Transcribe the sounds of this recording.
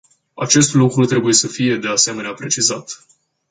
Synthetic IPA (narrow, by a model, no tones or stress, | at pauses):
at͡ʃe̞st̪lukɾut̪ɾe̞buje̞səfije̞d̪e̞ase̞me̞neapɾe̞t͡ʃizat̪